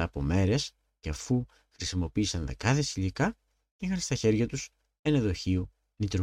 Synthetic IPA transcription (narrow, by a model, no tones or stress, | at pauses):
ɐpo̞me̞ɾe̞s | ceɐfu | xɾisimo̞piːsɐnðe̞kɐθe̞siʎikɐ | cexɐnst̪ɐçe̞ɾʝɐt̪us | eneðo̞çio | nit̪ɾ